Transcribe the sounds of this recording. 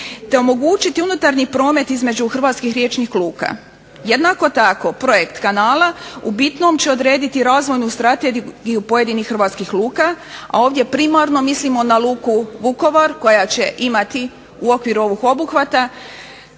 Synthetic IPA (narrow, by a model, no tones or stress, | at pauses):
t̪e̞o̞mo̞ɡut͡ʃit̪iunut̪aɾɲipɾo̞ːme̞t̪izme̞d͡ʑuxr̩ʋaːt̪skixɾʲje̞t͡ʃnixlˠuːka̰ | je̞d̪nako̞t̪ako̞pɾo̞je̞kt̪kanaːlaubit̪no̞mt͡ɕe̞o̞d̪ɾe̞ːd̪it̪iɾaːzʋo̞jnust̪ɾat̪eɡiɡijupo̞je̞d̪inixxɾrʋaːt̪skixlˠuːka | a̰o̞ːʋd̪je̞pɾimaɾno̞mislimo̞nalˠuːkuʋuko̞ʋaɾko̞jat͡ɕe̞ʔimat̪i | uo̞kʋiɾuo̞ʋixo̞buxʋat̪a